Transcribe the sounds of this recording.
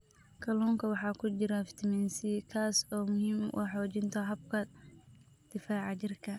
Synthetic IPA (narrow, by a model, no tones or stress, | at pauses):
kʰɐlɔːŋkʰɐwɑħɑːkʰʊt͡ʃɪɾɐft̪ʰɪmɛnsikʰaːsɔːmʊɦiːmʔṵħɔːt͡ʃɪnt̪ʰɐɦɐb̚kʰɐ | d̪̥ɪfaːʕɑt͡ʃɪrkʰɐ